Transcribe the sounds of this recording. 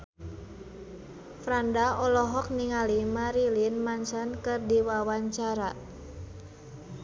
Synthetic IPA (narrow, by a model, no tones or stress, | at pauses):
fɾandaɔlɔɦɔk̚niŋalimaɾilinmansankɨrdiwawaɲt͡ʃaɾa